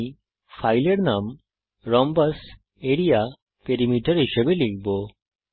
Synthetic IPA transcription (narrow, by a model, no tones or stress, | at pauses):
fajleɾnam | ɾɔmbas | eɽija | peɾimiʈaɾɦiʃebelikʰbo